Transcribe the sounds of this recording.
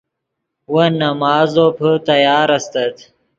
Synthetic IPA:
wɐnɐmaːzopʰət̪ɐjaːɾɐst̪ɐt̪

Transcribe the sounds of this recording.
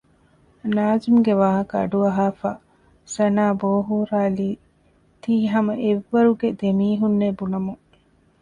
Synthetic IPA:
naːzimuɡeʋaːɦɐkɐɐ̰ɖuɐɦaːfaː | sɐnaːboːɦuɾaːliː | t̪iːɦɐmɐʔeʋːɐɾuɡed̪emiːɦunːebunɐmuŋ

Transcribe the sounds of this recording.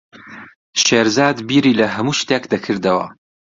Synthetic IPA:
ʃeːɾzaːd̪biːɾiːlɐɦɐmuʃt̪ekd̪ɐkʰɨɾd̪ɐwɐ̰

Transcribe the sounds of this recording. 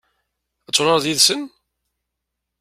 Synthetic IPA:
æt͡sːɾˤɑɾðjiðsən

